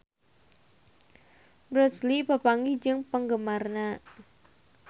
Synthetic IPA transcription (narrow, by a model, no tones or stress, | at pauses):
bɾɔslipəpaŋɡid͡ʒɨŋpəŋɡəmarna